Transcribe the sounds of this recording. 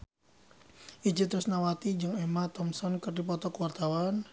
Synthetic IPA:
ʔid͡ʒit̪ɾʊsnawat̪id͡ʒɨŋɛmat̪ɔmsɔnkərdipɔt̪ɔkəwart̪awan

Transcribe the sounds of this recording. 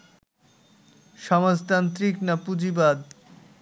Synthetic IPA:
ʃɔmad͡ʑt̪ant̪ɾiknapud͡ʑibad̪

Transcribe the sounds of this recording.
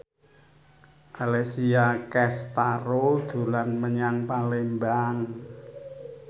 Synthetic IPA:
ʔalesiakɛst̪aɾod̪̥ṳlanməɲaŋpalembaŋ

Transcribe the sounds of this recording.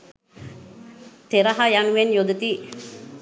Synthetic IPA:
t̪eɾɐɦajanuʋenjod̪ut̪iː

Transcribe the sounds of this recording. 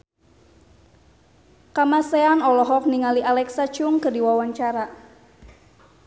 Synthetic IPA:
kamasɛanɔlɔɦɔk̚niŋaliʔalɛksat͡ʃuŋkərdiwawaɲt͡ʃaɾa

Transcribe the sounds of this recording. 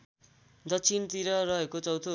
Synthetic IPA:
d̪ʌt͡sʰint̪iɾʌrʌɦekot͡sʌwt̪ʰo

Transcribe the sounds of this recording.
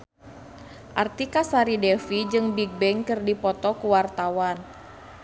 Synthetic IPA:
ʔart̪ikasaɾidɛfid͡ʒɨŋbiɡ̚bɛŋkɨrdipɔt̪ɔkuwart̪awan

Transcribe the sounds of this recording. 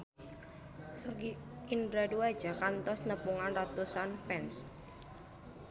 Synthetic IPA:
sɔɡi | indɾaduḁd͡ʒ̥akant̪ɔsnəpuŋanrat̪usanfɛns

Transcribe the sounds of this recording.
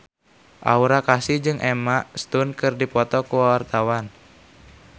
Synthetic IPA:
ʔa̰uɾakasid͡ʒɨŋʔɛmaʔst̪unkɨrdipɔt̪ɔkuwawart̪awan

